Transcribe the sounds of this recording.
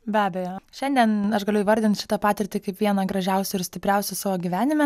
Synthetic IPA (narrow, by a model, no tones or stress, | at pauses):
bʲæːbʲɛjoːʃʲɛnʲd̪ʲiɛnɐʃɡɐlʲʊɪːʋɐɾʲd̪ʲɪnt̪ʃʲɪ̥t̪ɐpɑːt̪ʲɪɾʲt̪ʲɪkɐɪpʋʲiɛnɐɡɾɐʒʲæʊsʲʊɪɾsʲt̪ʲɪpʲɾʲɛʊsʲʊsɑːʋoːɡʲiʋʲæːnʲɪmʲɛ